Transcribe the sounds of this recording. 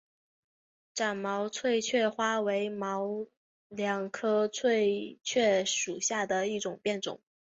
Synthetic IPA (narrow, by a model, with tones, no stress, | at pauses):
ʈ͡ʂa˨˩nmɑ˧˥ʊt͡sʰwe˥˧ɪt͡ɕʰɥɛ˥˩xwa˥we˧˥ɪmɑ˧˥ʊ | ljɑ˧˥ŋkʰɤ˥t͡sʰwe˥˧ɪt͡ɕʰɥɛ˥˩ʂu˨˩ɕja˥˩d̪ə˩i˥˩ʈ͡ʂʊ˨˩ŋpjɛ˥˩nʈ͡ʂʊ̰˨˩˦ŋ